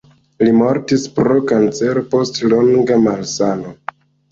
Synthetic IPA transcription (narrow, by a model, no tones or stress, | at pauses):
limo̞ɾtispɾo̞kant͡se̞ɾopo̞stlo̞ŋɡamalsano